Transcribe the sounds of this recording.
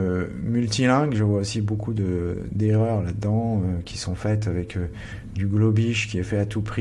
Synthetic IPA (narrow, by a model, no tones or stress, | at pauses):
ømylt̪ilɛ̃ɡʒəvwaosibokʰud̪əd̪eʁœʁlad̪d̪ɑ̃økʲʰi̥sɔ̃fɛt̪avɛk | d̪yɡlɔbiʃkʲiɛfɛat̪upχi